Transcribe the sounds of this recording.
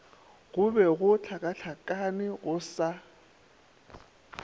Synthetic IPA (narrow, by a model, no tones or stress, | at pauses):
ɣʊbɛɣʊt͡ɬʰakʼat͡ɬʰakʼanɪɣʊsa